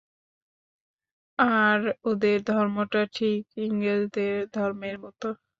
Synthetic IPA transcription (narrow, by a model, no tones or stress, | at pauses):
aɾod̪eɾd̪ʱɔɾmoʈaʈʰikiŋled͡ʑd̪eɾd̪ʱɔɾmeɾmɔt̪o